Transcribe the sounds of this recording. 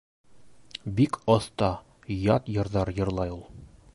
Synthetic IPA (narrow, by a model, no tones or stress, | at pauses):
bikɒθt̪ɑ | jɒt̪jɤ̆ɾðɑɾjɤ̆ɾlˠɑjulˠ